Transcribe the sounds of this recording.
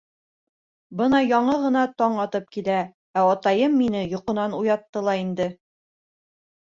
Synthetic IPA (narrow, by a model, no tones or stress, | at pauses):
bɤnɑjɒɴɤʁɤ̆nɑt̪ɒɴɑt̪ɤp̚kilæ | æɒt̪ɑjɤmːinɘjŏqɤ̆nɑnujɑt̪ːɤlˠɑind̪ɘ